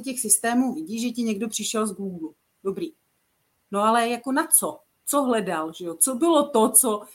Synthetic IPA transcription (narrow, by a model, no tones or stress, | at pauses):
cɛxsɪst̪ɛːmuːvɪɟiːʒɛcɪɲɛɡdo̞pr̥ɪʃɛlzɡuːɡlu | do̞bɾiː | noalɛjako̞nat͡so | t͡soɦlɛdalʒɛjot͡sobɪlot̪ot͡so